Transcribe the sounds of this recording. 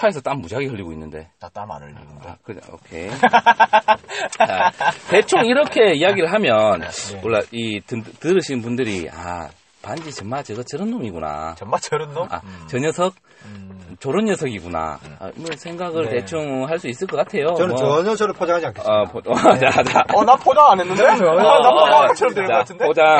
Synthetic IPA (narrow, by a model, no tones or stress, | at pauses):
tʰaesʰʌt͈aŋmud͡ʑaɡikʌʎːiɡoinːɯnde̞̰tatama̰nɯa̰kɯo̰kʰe̞̰ | t͡ɕate̞t͡ɕʰoŋiɾʌkʰe̞ijaɡiɾɯɭɦamjʌnwʔʌɭːaitɯtɯɾɯɕʰinpundɯɾia̰ | pand͡ʑit͡ɕʌnmat͡ɕeɡat͡ɕʌɾɯndoŋiɡuna̰at͡ɕɾɯna̰t͡ɕʌɲʌsʰʌk̚ | t͡ɕoɾɯnjʌsʰʌɡiɡuna̰a̰imʌsʰe̞ŋɡaɡɯɭte̞t͡ɕʰuŋɦaɭs͈uis͈ɯɭk͈ʌk͈atʰe̞joʌnɯʌʌɲʌsʰʌɾɯpʰod͡ʑaŋɦad͡ʑiankʰepʰoʌt͡ɕat͡ɕaʌnapʰod͡ʑaŋanenːɯndeaaʌɾdeɭaktʰɯndeod͡ʑa